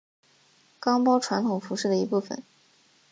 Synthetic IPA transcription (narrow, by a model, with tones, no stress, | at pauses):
kɑ˥ŋpɑ˥ʊʈ͡ʂʰwa˧˥nt̪ʰʊ˨˩ŋfu˧˥ʂɻ̩˥˩d̪ə˩i˧˥pu˥˩fə̰˨˩˦n